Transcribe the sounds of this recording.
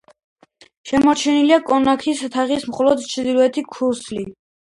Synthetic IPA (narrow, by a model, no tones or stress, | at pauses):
ʃɛmɔɾt͡ʃʰɛniliakʼɔnakʰist̪ʰaʁismχɔlɔd̪t͡ʃʰd̪iɾuɛt̪ʰikʰuɾsli